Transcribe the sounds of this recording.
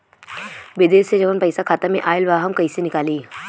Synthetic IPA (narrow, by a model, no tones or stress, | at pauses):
ʋɪd̪eːʃsed͡ʒɐʋənpɐɪsakʰaːt̪amẽʔaːɪlʋaɦɐmkɐisenɪkaːliː